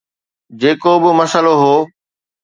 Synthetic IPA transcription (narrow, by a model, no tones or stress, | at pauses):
d͡ʑeːkobɪmɐsəloɦoː